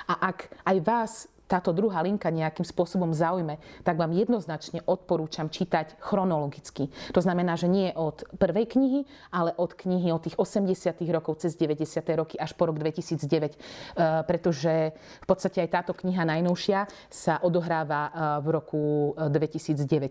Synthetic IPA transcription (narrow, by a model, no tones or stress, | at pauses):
ʔaʔakajʋaːs | t̪aːt̪ɔd̪ɾuɦaːliŋkaɲɛakimspʊɔsɔbɔmzaujmɛt̪aɡʋaːmjɛd̪nɔznat͡ʃɲɛʔɔt̪̚pɔɾuːt͡ʃamt͡ʃit̪acxɾɔnɔlɔɡit͡skit̪ɔznamɛnaːʒɛɲɪɛʔɔt̪pr̩ʋɛjkɲiɦi | alɛʔɔt̪kɲiɦiɔt̪ːiːɣɔsɛmɟɛsɪat̪iɣɾɔkɔʊt͡sɛzɟɛʋɛɟɛsɪat̪ɛjɾɔkiaʃpɔɾɔɡd̪ʋɛcisiːd͡zɟɛʋɛcpɾɛt̪ɔʒɛ | fpɔt̪st̪acɛajt̪aːt̪ɔkɲiɦanajnɔʊʃɪa | saʔɔd̪ɔɦɾaːʋavɾɔkud̪ʋɛcisiːd͡zɟɛʋɛc